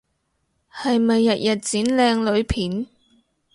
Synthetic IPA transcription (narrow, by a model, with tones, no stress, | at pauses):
hɐ˨jmɐ˨jːɐ˨t̚jʔɐ˨t̚t͡siː˨˥nlɛː˧ŋlɵ˨˧ɥpʰiː˨˥n